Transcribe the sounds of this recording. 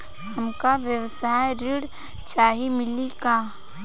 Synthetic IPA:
hɐmkaʋjəwsaːjɾɪɽ | t͡ʃaːɦimɪliɡaː

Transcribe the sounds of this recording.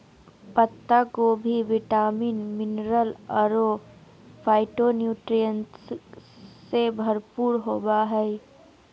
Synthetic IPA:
pət̪ːakobʱiʋiʈaːmiːnmɪnɾələɾo | pʰaːɪʈonjuːʈɾijəns | sebʱəɾpuɾɦobaɦɛɪ

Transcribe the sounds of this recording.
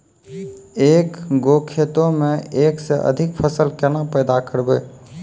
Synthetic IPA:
eːkɡoːkʰeːt̪õmẽeːkseʔə̰d̪ʱɪkpʰəsəlkenapɛːd̪akəɾbeː

